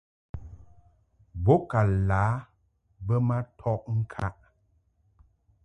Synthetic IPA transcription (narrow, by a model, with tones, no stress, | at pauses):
bo˦ka˨laː˨˦ | bə˦ma˦tʰɔ˦ʔŋ̩˦kʰa˦ʔ